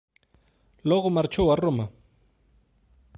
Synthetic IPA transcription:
loɢomaɾt͡ʃawaroma

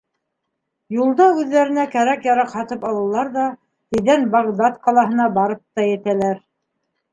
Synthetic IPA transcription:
julˠd̪ɑʉðːæɾɘ̆nækæɾækjɑɾɑqhɑt̪ɤpɑlˠɤ̆lˠɑɾðɑ | t̪ɘ̆jðænbɑʁd̪ɑt̪qɑlˠɑɦɤ̆nɑbɑɾɤp̚t̪ɑjɘ̆t̪ælæɾ

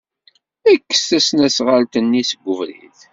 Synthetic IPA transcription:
ækːə̥sθæsnæsʁalt̪ənːisəɡʷːəvɾḭθ

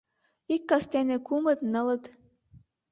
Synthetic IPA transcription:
ikːɑst̪ænĕkumɤ̆t̪nɤ̆lɤ̆t̪

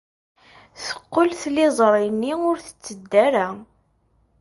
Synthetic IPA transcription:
θə̥qːəlθlɪzˤɾˤinːiʊɾθə̥t͡sːəd̪ːæɾa

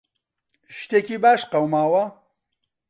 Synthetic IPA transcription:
ʃt̪eːkiːbaːʃqɐwmaːwɐ

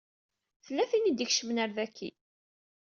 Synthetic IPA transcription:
θəlːæθinid̪içʃəmnæɾðækʰːḭ

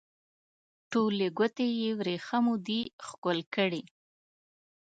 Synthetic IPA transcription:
ʈoleɡʷət̪ejewɾexamud̪ixkolkəɽi

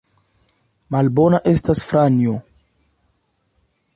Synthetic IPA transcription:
malbo̞naʔe̞stasfɾanjo

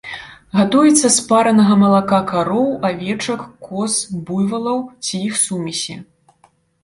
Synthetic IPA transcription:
ɣat̪ujɛt̪sːɐspaɾɐnɐɣɐmɐlˠakakaɾɔwavʲɛt͡ʂɐkːɔsbujvɐlˠɐwt͡sʲijixsumʲisʲɛ

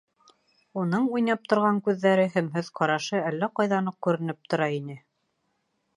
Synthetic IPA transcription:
unɤɴujnɑp̚t̪ŏɾʁɑŋkʉðːæɾɘɦæmɦɵðqɑɾɑʃɤælːæqɑjðɑnɤq̚kʉɾɘ̆nɘp̚t̪ŏɾɑinɘ

